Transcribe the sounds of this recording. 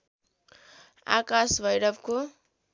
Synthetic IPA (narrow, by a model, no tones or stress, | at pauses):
a̰kasbʌjɽʌbko